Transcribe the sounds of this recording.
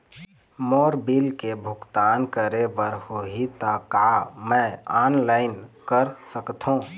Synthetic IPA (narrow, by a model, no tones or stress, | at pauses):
moɾbilkebʱʊkt̪ankəɾebəɾhoɦit̪akamə̃anlaɪnkəɾsəkt̪ʰɦũ